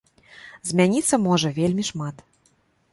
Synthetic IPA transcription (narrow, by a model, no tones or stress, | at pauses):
zʲmʲanʲit̪sːɐmɔʐɐvʲelʲmʲiʂmat̪